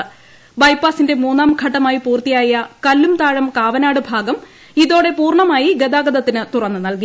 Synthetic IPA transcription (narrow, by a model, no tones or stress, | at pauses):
bɐjpaːsinde̞muːnːaːmɡʱɐʈːɐmaːjipuːrt̪ijaːjɐkɐlːumt̪aːɻɐmkaːʋɐnaːɽɨbʱaːɡɐm | iðo̞ːɽe̞puːrɳɐmaːjiɡed̪aːɡɐðɐt̪ːinɨt̪urɐnːɨnɐlki